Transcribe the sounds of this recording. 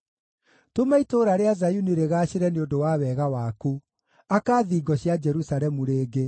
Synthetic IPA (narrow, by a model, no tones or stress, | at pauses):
tomaitoːɾaɾeazajuniɾeɣaɕeɾɛneodowaːwɛɣawaku | akaːðiɡɔɕjad͡ʒɛɾusaɾɛmuɾeːɡe